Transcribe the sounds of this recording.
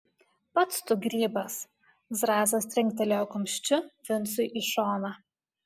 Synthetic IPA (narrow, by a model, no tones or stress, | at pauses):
pɐt̪st̪ʊɡɾʲiːbɐs | zɾɑːzɐst̪ʲɾʲɪŋʲk̚ʲt̪ʲɛlʲoːkʊmʲʃʲt͡ʃʲʊfʲɪnt̪sʊɪʔiʃoːnɑ